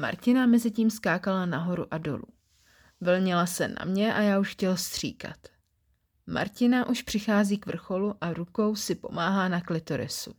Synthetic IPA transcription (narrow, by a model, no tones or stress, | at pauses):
ma̰ɾcɪnamɛzɪciːmskaːkalanaɦo̞ɾuʔado̞̰lṵ | vlɲɪlasɛna̰mɲɛʔajaːuʃxcɛlst̪r̝̥ḭːka̰t̪ | ma̰ɾcɪnaʔuʃpr̝̥ɪxaːziːkvr̩xo̞luʔaɾuko̞wsɪpo̞̰maːɦaːnaklɪt̪o̞ɾɪ̰sṵ